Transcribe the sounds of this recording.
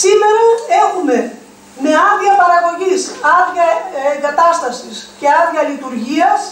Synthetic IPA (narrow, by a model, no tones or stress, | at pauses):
sime̞ɾɐe̞xume̞ | me̞ɐnðʝɐpɐɾɐɣo̞ʝisɐðʝɐeŋɡɐt̪ɐst̪ɐsisce̞ɐðʝɐlit̪uɾʝiɐs